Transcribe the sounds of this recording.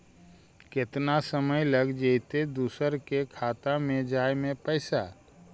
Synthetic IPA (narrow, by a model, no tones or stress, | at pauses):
kɪt̪nasəməjləɡd͡ʒəɪt̪ed̪uːsəɾkekʰaːt̪amẽd͡ʒaːjmẽpəɪsa̰